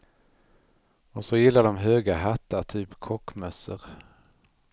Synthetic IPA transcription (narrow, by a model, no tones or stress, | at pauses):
ɔsɔjɪlːaɖɔmɦøːɡaɦat̪ːaʈ̪ʰyːpkʰɔkːmœsə̰ɾ